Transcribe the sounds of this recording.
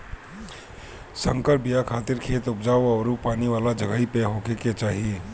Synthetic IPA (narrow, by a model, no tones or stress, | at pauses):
sə̃ŋkəɾbijakʰaːt̪ɪɾkʰeːt̪ʊp̚d͡ʒaːoɐːɾupaːniʋaːlad͡ʒɐɡaipeɦoːkeket͡ʃaːɦie